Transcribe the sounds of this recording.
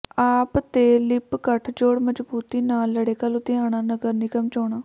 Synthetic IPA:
aːpt̪eːlɪpkəʈʰd͡ʒoːɽməd͡ʒbuːt̪iːnaːlːəɽeːkəlʊt̪ɪjãːɽ̃aːnəɡəɾnɪkəmt͡ʃoːɽ̃aː

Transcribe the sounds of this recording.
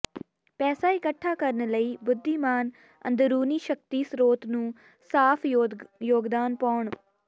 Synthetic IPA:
pɛːsaːɪkəʈʰːaːkəɾnləiːbʊd̪ʱːiːmaːn | ə̰̃nd̪ɾuːniːʃək̚t̪iːsɾoːt̪nũː | saːpʰjoːɡd̪aːnpaːɳ

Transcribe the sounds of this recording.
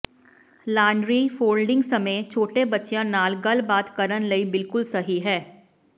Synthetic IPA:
laːɳɖɾifoːlɖɪ̃ŋɡsɐmeːt͡ʃʰoːʈebɐtːʃjãnaːlɡɐlbaːt̪kəɾənlɐibɪlkʊlsɐɦiɦɛː

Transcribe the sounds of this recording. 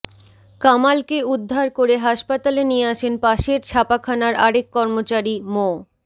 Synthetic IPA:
kamalkeud̪ʱːaɾkoɾeɦaʃpat̪alenijeaʃenpaʃeɾt͡ɕʰapakʰanaɾaɽekːɔɾmot͡ɕaɾimo

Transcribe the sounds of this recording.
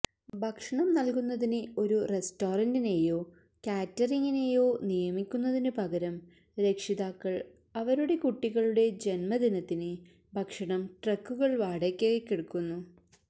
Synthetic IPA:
bʱɐkʂɐɳɐmnɐlkunːɐðinɨo̞ɾuresto̞ːrɐndine̞jo̞ː | kʲaːtːɐriŋːine̞ːjo̞ːnijɐmikʲːunːɐðinɨpɐɣɐɾɐm | ɾe̞kʂiðaːkːɐɭ | ɐʋɐɾuɽe̞kuʈːiɣɐɭuɽe̞d͡ʑe̞nmɐd̪inɐt̪ːinɨ | bʱɐkʂɐɳɐmʈrɐkːuɣɐɭʋaːɽekʲːekːiɽukːunːu

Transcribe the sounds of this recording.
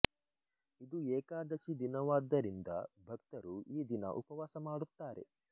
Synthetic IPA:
id̪uɛːkaːd̪ɐʃid̪inɐʋaːd̪ːɐɾind̪ɐbʱɐkt̪ɐɾuiːd̪inɐ̰ʔupɐʋaːsɐmaːɽut̪ːaːɾe̞̰

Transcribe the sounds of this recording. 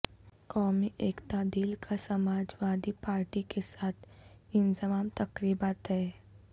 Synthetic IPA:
kɔːmiʔeːkt̪aːd̪iːlkʰasɐmaːd͡ʒʋaːd̪ipaːɾʈikesaːt̪ʰɪnzɪmaːmt̪ɐkɾiːbaːt̪ɦɛː

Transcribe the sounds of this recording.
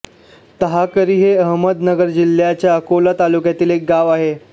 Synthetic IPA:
t̪əɦakəɾiːɦeəɦməd̪nəɡəɾd͡ʑil̤ːjat͡ɕjaəkolat̪alukjat̪iːlek̚ɡaʋaɦe

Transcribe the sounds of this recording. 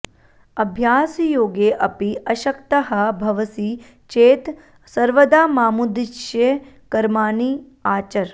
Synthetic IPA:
ɐbʱjaːsjoːɡeːʔɐpiʔɐʃɐkt̪ɐɦɐbʱɐʋɐsi | t͡ʃeːt̪ | sɐɾʋɐd̪aːmaːmud̪iʃje | kɐɾmaːni | aːt͡ʃɐɾ

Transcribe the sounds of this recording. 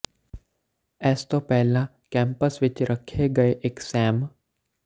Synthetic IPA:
ɛːst̪opɛɦlã | kɛ̃ːmpəsʋɪt͡ʃɾʔəkʰeɡɐeʔeksɛːm

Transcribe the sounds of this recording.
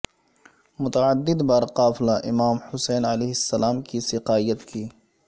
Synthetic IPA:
mʊt̪ɐʕəd̪ːɪd̪bɐɾqaːflaʔɪmaːmhʊsɛːnɐleːɦɪsːɐlaːmkisɪqaːijət̪kiː

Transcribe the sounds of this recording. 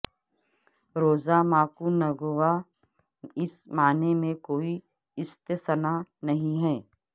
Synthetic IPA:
ɾoːzamaːkunɐɡoʋa | ɪsmaːnemẽkoːi | ɪst̪əsənanɐɦĩɦɛː

